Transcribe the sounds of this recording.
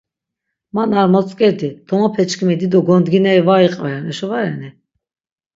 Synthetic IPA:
manaɾmɔt͡sʼkʼɛɾd̪id̪̥ʰɔmapʰɛt͡ʃkʰimɛd̪id̪ɔɡɔnd̪ɡinɛɾivaiqʼvɛɾɛnɛʃɔvaɾɛni

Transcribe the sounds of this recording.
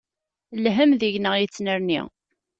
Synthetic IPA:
lɦəmðiʝnəʁjit͡sːnəɾnḭ

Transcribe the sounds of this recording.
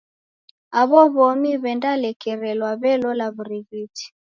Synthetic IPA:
aβɔβɔmiβɛndalɛkɛɾɛlwaβɛlɔlaβuɾiɣiti̥

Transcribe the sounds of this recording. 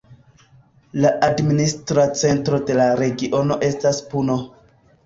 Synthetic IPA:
laʔadministɾat͡se̞ntɾo̞de̞laɾe̞ɡiʔo̞no̞ʔe̞staspuno̞

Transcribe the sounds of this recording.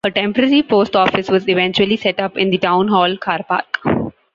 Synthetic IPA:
əʈɛ̃mpəɾəɾipoːsʈɔːfɪsʋɔːzɪʋɛ̃nt͡ʃuəlisɛʈʌpɪ̃nd̪iɖãʊ̃nɦɔːlkʰaːɾpa̰ːɾk

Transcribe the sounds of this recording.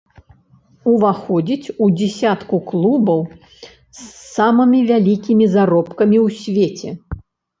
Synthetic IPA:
uvaxɔd͡zʲit͡sʲud͡zʲɛsʲat̪kuklˠubɐw | sːamɨmʲivʲalʲikʲimʲizaɾɔpkɐmʲiwsʲvʲet͡sʲɛ

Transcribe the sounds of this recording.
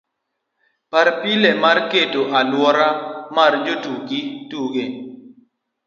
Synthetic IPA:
paɾpilemarketoʔalwɔɾamard͡ʒotuɡituɡe

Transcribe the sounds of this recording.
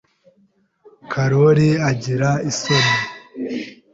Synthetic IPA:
kʰaɾoɾiaɟiɾaiso̞me

